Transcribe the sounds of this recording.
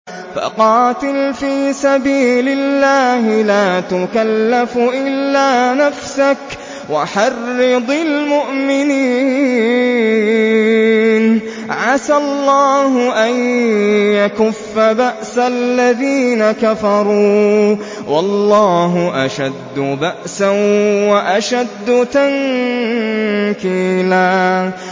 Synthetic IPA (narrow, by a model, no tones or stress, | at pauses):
fa̰qɑːt̪ɪlfiːsabiːlɪlːaːɦɪlaːt̪ʊkalːafʔɪlːaːnafsak | waħɑrːɨd̪ˤɪlmʊʔmɪniː | n | ʕasallːɑːɦʊʔanjakʊfːabaʔsalːaðiːnakafɑɾˤuː | wɑlːɑːɦʊʔaʃad̪ːʊbaʔsawaʔaʃad̪ːʊt̪aŋ | kiːlaː